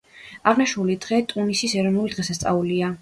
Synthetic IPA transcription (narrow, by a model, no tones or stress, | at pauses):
aʁnaʃulid̪ʁɛt̪ʼunisisɛɾɔvnulid̪ʁɛsast̪sʼa̰ulia